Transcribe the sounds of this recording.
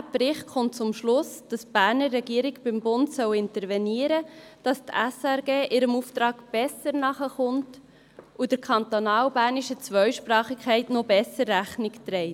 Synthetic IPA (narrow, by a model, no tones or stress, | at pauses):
æpɾɪχtχʊnt̚t͡sʊmʃlʊsd̥ɑsb̥æːɾnərːɛɡiːəɾiɡb̥ɪmbʊntsœwɪntəɾvɛniəɾəd̥ɑstæsæɾɡeːʔɪɾəmuftɾɑːɡb̥ɛsəɾnɑχəχʊnt | ud̥əɾkʰɑnt̪onɑːwbæːɾniʃət͡sʋœɥʃpɾɑːχɪkχɛɪtnobɛsəɾːæχnɪktɾɛɪt